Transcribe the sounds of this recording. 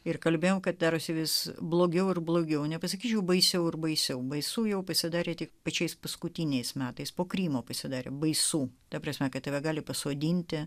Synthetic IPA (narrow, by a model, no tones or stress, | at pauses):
ɪrkɐlʲbʲeːjoːmkɐt̪̚d̪ɑːɾosʲɪʋʲɪsblˠoːɡʲɛʊɪrblˠoːɡʲɛʊnʲɛpɐs̬ɐkʲiːt͡ʃʲɛʊbɐɪsʲɛʊɪrbɐɪsʲɛʊbɐɪsuːjɛʊpɐsʲɪd̪ɑːɾʲeːt̪ʲɪkpɐt͡ʃʲɛɪspɐskʊt̪ʲinʲɛɪsmʲæːt̪ɐɪspoːkɾʲiːmoːpɐsʲɪd̪ɑːɾʲḛːbɐɪsuːt̪ɐpɾɐsʲmʲɛkɐt̪̚tɐʋʲɛɡɑːlʲɪpɐsoːd̪ʲiːnʲt̪ʲɪ